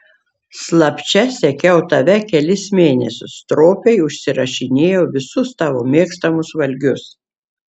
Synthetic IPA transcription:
slˠɐpʲt͡ʃʲɛsʲɛkʲɛʊt̪ɐʋʲɛkʲɛlʲɪsmʲeːnʲɛsʲʊst̪ɾoːpʲɛɪʊʃʲsʲɪɾɐʃʲɪnʲeːjoːʋʲɪsʊst̪ɑːʋo̰ːmʲiɛkst̪ɐmʊsʋɐlʲɡʲʊs

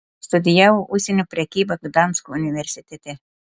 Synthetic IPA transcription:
st̪ʊd̪ʲɪjæwoʔusʲenʲopʲɾʲɛkʲiːbɐɡd̪ɑnskoʊnʲɪʋʲɛɾʲsʲɪt̪ʲet̪ʲe

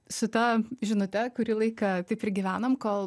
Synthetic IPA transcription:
sʊt̪ɐʒʲɪnʊt̪ʲɛkʊɾʲiːlˠɐɪkɐt̪ɐɪpɪɾɡʲiːʋʲæːnɐmkoːlˠ

